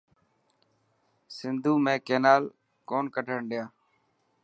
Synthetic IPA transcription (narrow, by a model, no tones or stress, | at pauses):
sɪnd̪ʱuːmẽːkeːnaːl | koːnkəʈʰəɳɗɪjaː